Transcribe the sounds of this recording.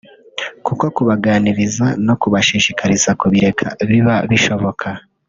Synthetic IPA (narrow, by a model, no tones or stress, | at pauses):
kuko̞kuβaɡaːniɾizano̞kuβaʃiːʃikaɾizakuβiɾe̞kʰa̰βiβaβiʃo̞βo̞kʰa